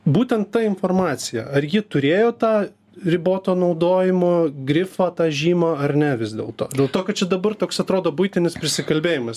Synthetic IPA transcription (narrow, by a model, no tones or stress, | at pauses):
buːt̪ʲɛnt̪t̪ːɐɪnfoːrmɑːt͡ssʲɪjɛ̰ɐrjɪt̪ʊɾʲeːjoːt̪ɑː | rʲɪboːt̪oːnɐʊd̪oːjɪmoːɡɾʲɪfɑːt̪ɑːʒʲiːmɑːɐrnʲɛʋʲɪsd̪ʲḛːlˠt̪o̰ːd̪ʲeːlˠt̪oːkɐt̚t͡ʃʲɛd̪ɐbɐrt̪oːksɐt̪ɾoːd̪oːbʊɪt̪ʲɪnʲɪspʲɾʲɪsʲɪkɐlʲbʲeːjɪmɐs